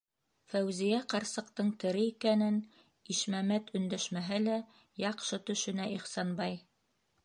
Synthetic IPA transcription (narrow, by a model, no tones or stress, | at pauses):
fæwzijæqɑɾsɤ̆qt̪ɤɴt̪ɘ̆ɾɘikænɘn | iʃmæmæt̪ʰɵ̆nd̪æʃmæɦɘlæ | jɑqʃɤt̪ɵ̆ʃɵ̆næʔiχsɑnbɑj